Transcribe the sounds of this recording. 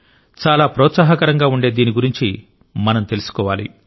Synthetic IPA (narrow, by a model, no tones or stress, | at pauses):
t͡ʃaːlaːpɾɔːt̪saːɦɐkɐɾɐŋɡaːuɳɖeːd̪iːniɡuɾiɲt͡ʃi | mɐnɐmt̪e̞lusu̥kɔːʋaːlḭ